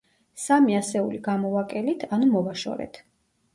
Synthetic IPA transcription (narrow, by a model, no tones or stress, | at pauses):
samiasɛuliɡamɔvakʼɛlit̪ʰanumɔvaʃɔ̰ɾɛ̰t̪ʰ